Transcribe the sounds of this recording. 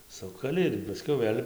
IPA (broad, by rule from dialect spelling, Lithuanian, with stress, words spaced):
ˈsʊkɐlʲɪ ɪr pɐˈsʲkʲɛʊ ˈʋɘlʲ